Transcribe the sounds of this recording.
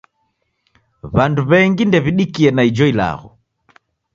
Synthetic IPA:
βanduβɛŋɡindɛβiɗikiɛnaid͡ʒɔila̰ɣɔ̰

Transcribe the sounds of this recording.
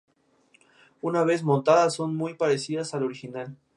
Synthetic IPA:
unaβe̞zmõnt̪aðasːo̞nmujpaɾesiðasalo̞ɾixinal

